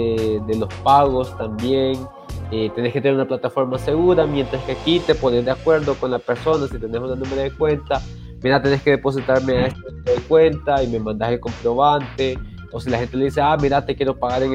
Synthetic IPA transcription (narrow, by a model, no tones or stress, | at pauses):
ed̪elo̞spaɣo̞st̪ambjeŋ | et̪eneskeeneunaplat̪afo̞ɾmase̞ɣuɾamje̞nt̪ɾaskeakit̪e̞po̞ne̞zd̪eakwe̞ɾðo̞ko̞nlape̞ɾso̞nasit̪e̞ne̞sunanũme̞ɾaðekwe̞nt̪a | miɾat̪e̞ne̞ske̞ðe̞po̞s̬it̪aɾmeaest̪anueɾaðekwe̞nt̪aime̞mãnd̪aheko̞mpɾo̞βant̪e | osilaxe̞nt̪e̞leðis̬eamiɾat̪ekjeɾo̞paɣaɾeŋ